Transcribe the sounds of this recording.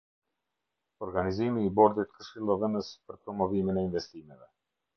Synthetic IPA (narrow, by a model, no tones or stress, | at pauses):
ɔɾɡanizimiːbɔɾd̪it̪kəʃilˠɔvənəspɾpɾɔmɔvimɛnainvɛst̪imɛvɛ